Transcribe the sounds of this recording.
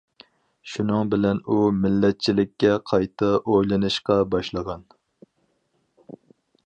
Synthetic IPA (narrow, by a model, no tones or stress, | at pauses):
ʃunɨŋbɪlɛnumɪlːɛt̪̚t͡ʃʰilɪkʲːɛqʰɑjt̪ʰɨʔojlˠɨnɨʃqɑbɑʃlˠəʁɑn